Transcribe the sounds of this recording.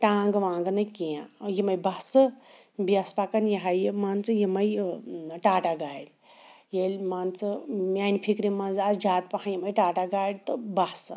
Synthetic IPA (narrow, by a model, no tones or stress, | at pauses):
ʈaːŋɡʋãːŋɡɨnɐjkiãjimɐjbɐhsɨ | biɐspaːkɐnjɐɦajmaːnt͡sɨjimɐjʈaːʈaɡaːɽ | jelʲmaːnt͡sɨmjaːnpʰikɾimɐnzaːsd͡ʒaːt̪̚pɐhãjimɐjʈaːʈaɡaːɽt̪ɨbɐhsɨ